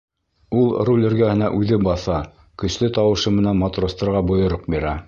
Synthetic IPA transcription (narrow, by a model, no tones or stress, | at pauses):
ulˠrulʲɘ̆ɾɡæhɘ̆næʔʉðɘbɑθɑ | kɵ̆ʃlɘt̪ɑwɤ̆ʃɤmɘ̆nænmɑt̪rost̪ɑ̆ɾʁɑbŏjŏɾoq̚biɾæ